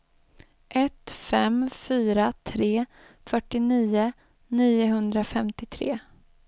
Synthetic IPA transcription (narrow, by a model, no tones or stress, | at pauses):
ʔɛt̪fɛmfyːɾat̪ʰɾeː | fœʈːɪniːʊ | niːʊɦɵnd̪ɾafɛmt̪ɪt̪ʰɾeː